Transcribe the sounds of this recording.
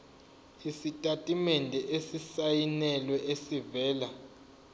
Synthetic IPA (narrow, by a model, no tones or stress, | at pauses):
isitʼatʼimɛndʱɛʔesisajinɛlwɛʔesivɛːla